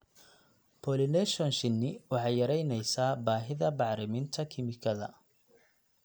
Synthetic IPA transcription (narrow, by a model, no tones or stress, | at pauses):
pʰɔlɪnɛʃɔnʃɪnːɪwɑħɑjːɐɾɛjnɛjsaːbaːɦɪðɐbɑʕɾɪmɪnt̪ʰɐkʰɪmɪkʰɐðɐ̰